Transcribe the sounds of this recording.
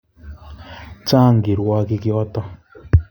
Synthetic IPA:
t͡ʃa˦˨ŋɡi˨ɾwa˦ki˦kjɔ˦tɔ˦

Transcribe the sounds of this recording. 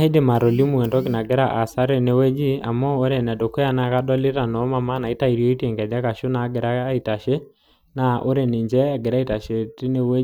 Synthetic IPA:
a˦e˦de˦ma˨ɾɔ˨li˦mu˨ɛ˨ndɔ˦ki˨na˨ɡe˦ɾaʔa˨sa˦ɾe˨ne˦wɛ˦d͡ʒi˦a˨mɔ˦o˦ɾɛ˨nɛ˨do˨ko˦ja˦na˨ka˦dɔ˦le˦ɾa˨nɔ˨˦ma˦ma˦na˨i˦ta˦i˨ɾiɔ˦i˦te˨ŋɡɛ˨d͡ʒa˦ka˨ʃo˦na˨˦ɡe˨ɾa˦i˨ta˨ʃe˦ | na˨ʔo˦ɾe˨ne˨ɲd͡ʒɛ˦aɡe˨ɾa˦i˦ta˨ʃe˨te˦ne˦we˦

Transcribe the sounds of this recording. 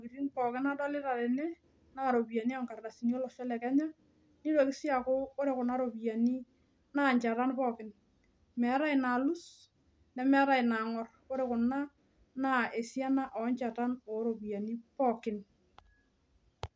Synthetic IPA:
o˨ki˨ɾi˦npɔ˨kɪ˦na˦dɔ˦lɪ˦ɾa˨ɾe˨nɛ˦ | na˦ɾo˨bi˨a˨ni˦a˦ŋka˨rɾa˨si˨n˦o˦lɔ˨ʃɔ˦lɛ˨kɛ˦ɲa˦ | ni˦ɾo˨kɪ˦sja˨kʊ˦ko˦ɾe˨kʊ˨na˦ɾo˨bi˨ja˨ni˦ | na˦˨ɲt͡ʃa˨ɾa˦npɔː˨kɪ˦n | mɛ˨˦ɾa˦ɪ˨na˨lu˦s | nɛ˨mɛ˦ɾa˨i˨na˨ŋɔ˨rko˦ɾe˦kʊ˨na˦ | na˦˨e˨sja˦na˦ʔɔ˨˦ɲt͡ʃa˨ta˦nɔ˨˦ɾo˨bi˨ja˨ni˦pɔ˦˨kɪ˨n

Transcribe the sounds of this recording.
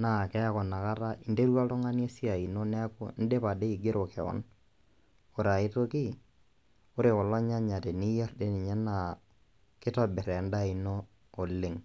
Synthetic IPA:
na˨kɛ˦a˦kɔ˨na˨ka˦ɾa˦i˨nde˦ɾwa˦tɔ˦ŋa˦n˦e˦si˦a˨i˨no˦nɛ˦a˦ko̰˦n̩˦de˦pa˨de˦i˨ɡɪ˦ɾo˨kɛ˨ɔ̰˦n | o˨ɾa˨ɪ˦to˦ki˦ | ʊ˦ɾe˨kɔ˨lɔ˦ɲa˦ɲa˨tɛ˨ni˦jɛ˦rde˦nɪ˨ɲɛ˦na˨ | kɪ˦tɔ˦bɪ˨ɾɛ˨n˦da˦˨i˨noː˦˨ | lɪ˨ŋ

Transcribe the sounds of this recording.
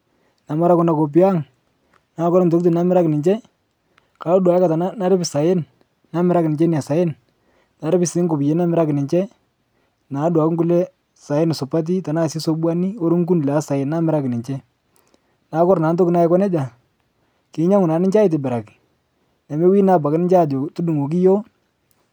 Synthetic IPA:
na˨ma˦ɾa˦kʊ˦na˨ko˨p̬ɪ˦a˦ŋ | na˨˦kɔ˦ɾt̬o˦k̚t̬i˨na˦mɪ˦ɾa˦kɪ˨nɪ˨ɲt͡ʃɛ˦ | ka˨˦ɔ˦dwa˨jɛ˦ka˨ta˨na˦na˦ɾɪ˦pɪ˨sa˨je˦n | na˦mɪ˦ɾa˦kɪ˨nɪ˨ɲt͡ʃɛ˦ni˨a˨sa˨je˦n | na˨ɾɪ˦pɪ˨sɪ˦ŋkʊ˨pje˨˦na˦mɪ˦ɾa˦kɪ˨nɪ˨ɲt͡ʃɛ˦ | na˨˦dwa˨kŋku˦lɛ˦ | sa˨je˦nɪ˨sʊ˨pa˦t̬i˦ta˨na˦˨si˦so˦bwa˦ni˦o˦ɾʊ˦ŋku˦nla˦sa˨jɪ˨nːa˦mɪ˦ɾa˦kɪ˨nɪ˨ɲt͡ʃɛ˦ | na˨˦kɔ˦ɾna˨˦nt̬o˦kɪ˦na˦ɛ˦kɔ˦nɛ˦d͡ʒa˨ | kɪ˨˦ɲa˦ŋʊ˨na˨nɪ˦ɲt͡ʃa˦ɪ˦t̬ɪ˨bɪ˨ɾa˨ki˨ | na˨me˦wiː˦na˨b̬a˨kɪ˦nɪ˦ɲt͡ʃa˦˨d͡ʒo˨tu˦du˨ŋo˨k̬i˦jo˦

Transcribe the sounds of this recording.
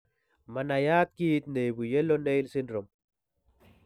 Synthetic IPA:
ma˨na˨ja˦t̪̚ki˦t̪̚ne˨bu˨jɛ˦lo˦ne˦jlsi˦ndɾo˨m

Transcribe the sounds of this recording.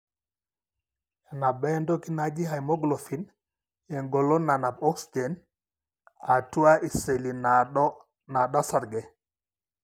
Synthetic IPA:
a˨na˨ba˦ndo˦ki˦na˦d͡ʒi˦ɦa˨jmɔ˦ɡlo˨fi˨˦n | ɛ˨ŋɡɔ˨lɔ˦na˨na˨pɔ˦ksi˨de˨n | a˨tu˦a˦ʔi˨se˨li˨na˦ | na˨ɗa˦sa˨ɾɡɛ˨

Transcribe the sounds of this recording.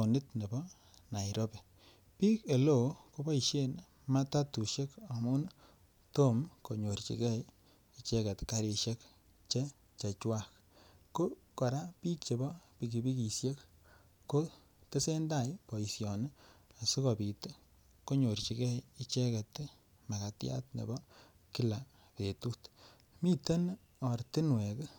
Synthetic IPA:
o˨nɪ˦tne˨bɔ˦ | na˨iɾo˦pe˨ | pi˦ke˨lo˨ko˦bɔ˦i˨ʃe˦˨n | ma˦ta˦tu˨ʃe˦ka˨mu˦n | to˦mko˨ɲo˨ɾt͡ʃḭ˨kɛ˦ | i˨t͡ʃɛ˦ke˨tka˨ɾi˨ʃe˦k | t͡ʃe˦ | t͡ʃa˨t͡ʃwa˦k | ko˦ka˨ɾa˦pi˦kt͡ʃe˨bɔ˦pi˨ɡi˨bi˦ki˨sje˦kː | o˦ | te˦se˦nda˦jpo˨i˨sjɔ˨n˦a˨su˦ko˨pi˨t | ko˦ɲo˨ɾt͡ʃi˨kɛ˦ji˦t͡ʃe˦ke˨t̪ | ma˨ka˨tja̰˦t̪nḛ˨bɔ˦ | ki˦la˨ | ke˨tu˦t | mi˦te˦n | ɔ˨ɾt̪i˦nwe˨k

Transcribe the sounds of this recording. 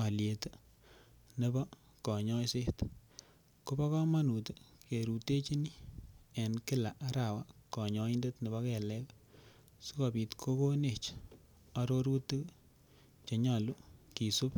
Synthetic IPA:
a˨lje˨tɨ˦ | ne˦bɔ˦ | kɔ˨ɲɔ˦se˦t | ko˦bɔ˦kɔ˦ma˦nu˨tke˨ɾu˨te˦t͡ʃi˦ni˦ɛ˨nkɪ˦la˨ʔa˦ɾa˨wa˦kɔ˨ɲɔ˦inde˦tne˨bɔ˦kɛ˨lɛ˦k | su˦kɔ˨pi˨tkʰo˦ko˦ne˨t͡ʃ | a˨ɾo˦ɾu˦tɨ˦k | t͡ʃe˨ɲa˨lu˦ki˨su˦p

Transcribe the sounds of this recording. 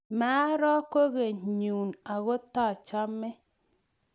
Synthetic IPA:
maː˨˦ɾɔ˦ko˦ɣe˨ɲu˨na˨ɣo˦ta˦˨t͡ʃa˦mːe˦

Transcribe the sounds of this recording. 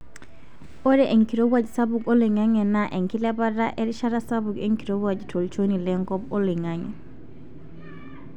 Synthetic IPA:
o˦ɾɛʔe˨ŋki˨ɾo˦wad͡ʒsa˦buɡo˦le˨ŋa˦ŋɛ˨naʔe˨ŋki˦lɛ˦ba˦ɾa˦ʔɛ˦ɾiʃa˦ɾa˦sa˦buɡe˦ŋki˨ɾo˦wad͡ʒtʰo˨lt͡ʃoni˨lɛŋkɔ˦pɔ˦li˨ŋaŋɛ̰˨

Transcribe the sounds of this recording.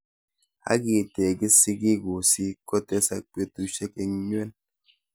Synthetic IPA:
a̰˦ɡi˨te˨ɡi˦si˦ɡi˦˨ɡo˨si˦ko˦te˦sa˨k͡pje˦tu˦ʃe˦ke˨ŋ˦ɲ˦e˦n

